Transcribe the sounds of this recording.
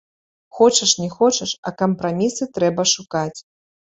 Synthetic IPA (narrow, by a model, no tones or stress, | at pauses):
xɔt͡ʃɐʂnʲɛxɔt͡ʃɐʂɐ̰kɐmpɾamʲisɨt̪ɾɛbɐʂukat͡sʲ